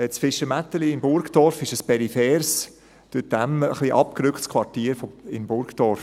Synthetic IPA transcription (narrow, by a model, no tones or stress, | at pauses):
ɛsfɪʃəmætəliɪmbʊɾktɔɾfɪʃəspɛɾifɛːɾs | d̥yt̚d̥æmə̰χliʔɑp̚kɾʏkχtskʰvwɑɾtiːɾfoɪnbʊɾktɔɾf